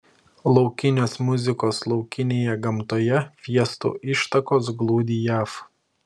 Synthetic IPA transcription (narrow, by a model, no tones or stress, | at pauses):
lˠɒʊkʲɪnʲoːsmʊzʲɪkoːslˠɒʊkʲɪnʲeːjɛɡɐmt̪oːjɛfʲiɛst̪ṵːʔɪʃt̪ɐkoːs̬ɡlˠuːd̪ʲiːjæːf